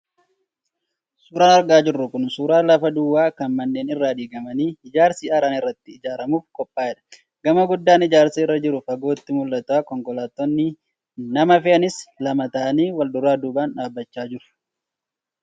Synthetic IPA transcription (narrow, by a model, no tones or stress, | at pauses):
suːɾaːnɐɾɡaːd͡ʒɪrːʊkʊnsuːɾaːlɐfɐd̪ʊwːaːkɐnmɐnːeːnɪrːaːd̪iːɡɐmɐniːɪd͡ʒaːɾsiːɐɾaːnɪrːɐt̪ːɪːd͡ʒaːɾɐmuːfkʼɔpʼːaːɛᶑɐ̥ | ɡɐmɐɡʊd̪ːaːnɪd͡ʒaːɾsiːɪrːɐd͡ʒɪɾʊfɐɡo̞ːt̪ːɪmʊlːɐt̪ʊaːkɔŋkɔlaːt̪ːɔnːɪ | nɐmɐfɪɐnɪslɐmɐt̪ɐʔɐniːwɐld̪ʊɾaːd̪uːbaːnᶑaːbːɐt͡ʃːaːd͡ʒɪɾʊ̥